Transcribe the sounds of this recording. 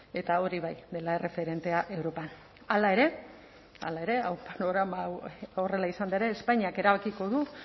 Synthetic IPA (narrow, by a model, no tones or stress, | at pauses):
e̞t̪ao̞ɾiβajðe̞lae̞rʔe̞fe̞ɾe̞nt̪e̞aʔe̞wɾo̞pan | alae̞ɾe̞ | a̰lae̞ɾe̞awpanoɣɾamaore̞laisand̪aeɾeːspaɲiake̞ɾaβakiko̞ðu